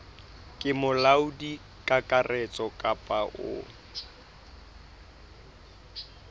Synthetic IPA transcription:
kʼɪmʊlaudi | kʼakʼarɛt͡sʼɔkʼapʼaʔʊ̰

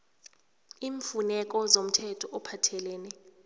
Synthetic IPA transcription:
iːɱfunɛk̬ɔzom̩tʰɛtʰɔʔɔpʰatʰɛlɛːnɛ

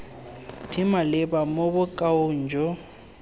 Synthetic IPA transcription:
dʰimalɪbamobʊkʼaʊn̩d͡ʒʱɔ

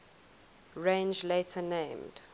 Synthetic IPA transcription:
ɹẽnd͡ʒletʰənẽɪ̃md̥

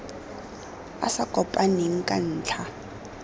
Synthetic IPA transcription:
a̰sakʼɔpʼaneŋ̩kʼa̰n̩ːt͡ɬʰa

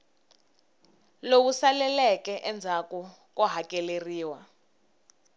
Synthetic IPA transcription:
lowusalɛlɛkɛʔɛnd͡zʱakɔ | kɔɦakɛleriːwa

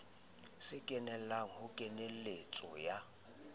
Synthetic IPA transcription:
sɪkʼɛnɛl̩laŋ̩hʊkʼɛnelet͡sʼɔ̰ja

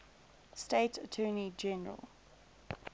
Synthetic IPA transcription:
stetʰətʰɜːnid͡ʒɛnəɹə̰lˠ

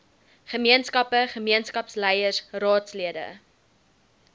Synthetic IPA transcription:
χəmiənskɐpəχəmiənskɐpslɛjərsrɑːtsliədə̰

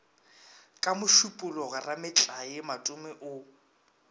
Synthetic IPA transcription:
kʼamʊʃupʼʊlɔɣaramɪt͡ɬʼajɪmatʼʊmɛʔʊ

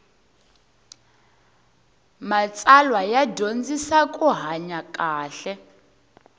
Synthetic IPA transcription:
mat͡sʼalwajadond͡zisakʼuɦaɲakʼaːɬɛ

